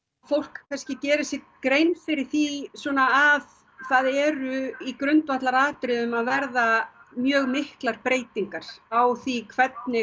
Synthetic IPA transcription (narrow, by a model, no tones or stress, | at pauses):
fowl̥kkʰanscɪcɛːɾɪsɪ | kɾejnfɪɾɪɾ̥θisɔːnaːv | θaðɛɾʏikɾœnt̪vaht̪laɾaːt̪ɾɪðʏmaðvɛɾðamjœːɣmɪhklaɾpɾeːjt̪iŋkaɾ̥awθikʰvɛt̪̚nɪ